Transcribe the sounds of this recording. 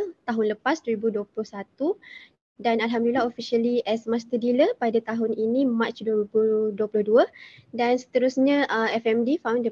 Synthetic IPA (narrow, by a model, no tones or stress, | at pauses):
t̪aɦʊnləpasduəɾibuduəplʊhsat̪u | danalɦamdulilaɦofiʃaliʔɛsmãst̪ədiləpadat̪aɦʊninimat͡ʃduəibuduəpulʊhduədansə̥t̪əɾusɲãʔəɛfɛmdifawndə